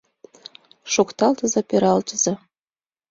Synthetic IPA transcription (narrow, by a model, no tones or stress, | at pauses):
ʃokt̪ɑlt̪əzɑpeɾɑlt̪əzɤ